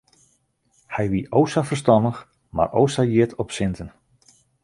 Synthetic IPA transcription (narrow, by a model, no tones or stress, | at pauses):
hɛjʋiʔowsafərstɑndəx | ma̰ro̰wsajiətʰɔpsɪntən